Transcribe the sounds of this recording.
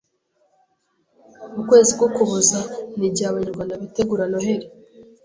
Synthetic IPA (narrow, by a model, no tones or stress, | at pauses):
ukwe̞ːzib̚ɡokuβozaniɟaβaɲuɾɡwanaβite̞ɡuɾanoɦe̞ɾe